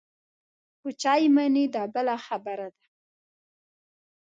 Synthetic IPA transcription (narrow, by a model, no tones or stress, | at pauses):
put͡ʃɑjmanid̪ɑbəlaxabaɾad̪a